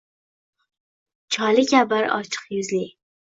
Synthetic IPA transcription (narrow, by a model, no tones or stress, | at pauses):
t͡ʃʰɒlɪkʲʰabaɾɒ̰t͡ʃʰɨ̥qjʊzli